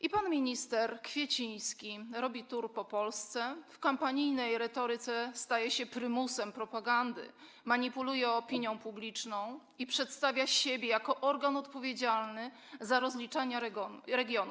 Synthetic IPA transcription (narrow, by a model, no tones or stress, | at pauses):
ʔipanmʲiɲist̪ɛɾkfʲjɛt͡ɕij̃skʲiɾɔbʲit̪uɾpɔpɔlst̪sɛfkampaɲijnɛjɾɛt̪ɔɾɘt̪sɛst̪ajɛɕɛpɾɘmusɛmpɾɔpaɡand̪ɘ̰ | maɲipulujɛɔpʲiɲjɔ̃w̃publʲit͡ʂnɔ̃w̃ | ipʂɛt̪st̪avʲjaɕebʲɛjakɔʔɔɾɡanɔt̪pɔvʲjed͡ʑalnɘ | zaɾɔzlʲit͡ʂaɲaɾɛɡʲjɔn